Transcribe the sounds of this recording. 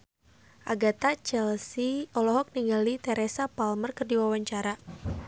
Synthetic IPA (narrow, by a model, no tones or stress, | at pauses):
ʔaɡat̪at͡ʃɛlsiɔlɔɦɔk̚niŋɡalit̪ɛɾɛsapalmərkərdiwawaɲt͡ʃaɾa